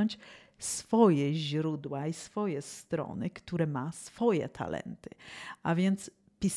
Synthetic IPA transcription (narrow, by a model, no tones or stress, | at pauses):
ɲt͡ɕ | sfɔjɛʑɾud̪waisfɔjɛst̪ɾɔ̰nɘkt̪uɾɛmasfɔjɛ̰t̪ʰa̰lɛ̰nt̪ɘ̥ʔa̰vʲjɛnt̪s | pʲis